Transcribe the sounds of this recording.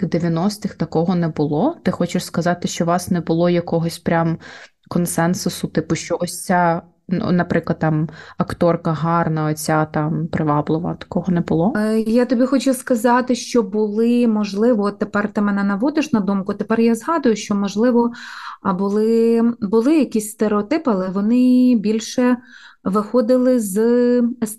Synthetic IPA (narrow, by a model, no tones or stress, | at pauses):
xd̪eʋʲjɐnɔst̪ɪxt̪ɐkɔɦɔnɛbʊlˠɔt̪ɪxɔt͡ʃɪʃskɐzɑt̪ɪʃt͡ʃɔʋɑsnɛbʊlˠɔjɐkɔɦɔsʲpɾʲam | kɔnsɛnsʊsʊt̪ɪpʊʃt͡ʃɔɔsʲt͡sʲa | n̰nɐpɾɪklˠɐd̪t̪ɑmɐkt̪ɔrkɐɦɑrnɐɔt͡sʲat̪ɑmpɾɪʋɑblˠɪʋɐ̰t̪ɐ̥kɔɦɔnɛbʊlˠɔjat̪ɔbʲixɔt͡ʃʊskɐzɑt̪ɪʃt͡ʃɔbʊlˠɪmɔʒlˠɪʋɔɔt̪ːepɛrt̪ɪmɛnɛnɐʋɔd̪ɪʃnɐd̪umkʊɐt̪epɛrjazɦɑd̪ʊjʊʃt͡ʃɔmɔʒlˠɪʋɔbʊlˠɪbʊlˠɪjɐkʲisʲst̪eɾeɔt̪ɪpɐlˠɛʋɔnɪbʲilʲʃɛ | ʋɪxɔd̪ɪlˠɪz | s